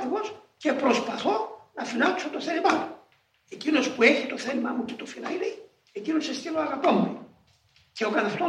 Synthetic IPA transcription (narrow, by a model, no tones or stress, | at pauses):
ɣo̞s | ce̞pɾo̞spɐθo̞nɐfinɐt̪uset̪o̞θeɾimɐmu | e̞cino̞spue̞çit̪o̞θelimɐmucet̪ofilɐili | ecinosest̪iloɐɣɐpomu | ce̞okɐnɐft̪o